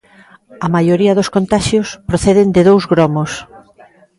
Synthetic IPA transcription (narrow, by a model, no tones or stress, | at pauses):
ɐmajoɾiɐðoskont̪aʃjospɾoθeðɪnd̪ɪðowzɣɾɔmos